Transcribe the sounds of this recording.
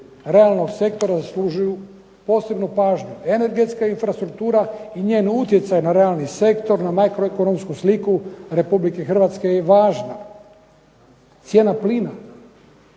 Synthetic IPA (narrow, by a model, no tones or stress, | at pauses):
ɾe̞alˠnoɡse̞k̚t̪o̞ɾazasluʒuju | po̞ːse̞bnupaːʒɲue̞ne̞ɾɡe̞t̪skainfɾast̪ɾuk̚t̪uːɾaiɲe̞ːnut̪je̞t̪sajnaɾe̞alˠnise̞kt̪o̞ɾnamakɾoekono̞mskuslikuɾe̞publike̞xr̩ʋat̪ske̞jeʋaːʒna | t̪sje̞ːnapliːna